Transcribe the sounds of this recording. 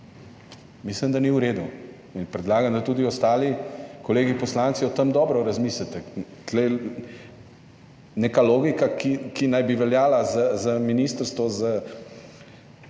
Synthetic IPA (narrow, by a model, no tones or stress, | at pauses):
mislimd̪aniuɾeːd̪u | inpɾɛd̪laːɡamd̪at̪uːd̪iɔst̪aːlikɔleːɡipɔslaːnt̪siɔt̪əmd̪ɔːbɾɔɾazmislɛt̪ɛt̪lɛj | neːkaloːɡikakikinajbiʋɛljaːlazazaminist̪əɾst̪ʋɔza